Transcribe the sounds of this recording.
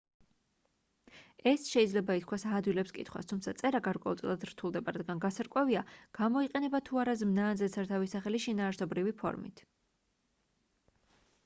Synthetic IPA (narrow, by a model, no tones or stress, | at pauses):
ɛsʃɛid̪zlɛbait̪̚ʰkʰwasad̪wilɛpskʼḭt̪ʰχwa̰st̪ʰumt̪sʰat̪sʼɛɾaɡaɾkʼwɛ̰ulˠt̪ʼḭlˠad̪ɾt̪ʰulˠd̪ɛbaɾad̪ɡanɡasaɾkʼwɛviaɡ̥amɔiqʼɛnɛbat̪ʰuaɾazmnaːnzɛt̪sʰaɾt̪ʰavisaχɛliʃinaːɾsɔbɾivipʰɔ̰ɾmḭt̪ʰ